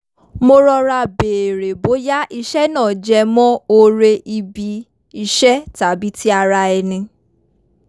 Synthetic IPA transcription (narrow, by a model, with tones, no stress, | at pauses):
mo˧ɾɔ˧ɾa˧beː˨ɾe˨bo˨˦ja˦ʔi˧ʃɛ˦nãː˦˨d͡ʒɛ˧mɔ̃˦o˧ɾe˧ʔi˧bi˧ | i˧ʃɛ˦ta˨˦bi˨˦tʰi˦a˧ɾa˧ɛ˧nĩ˧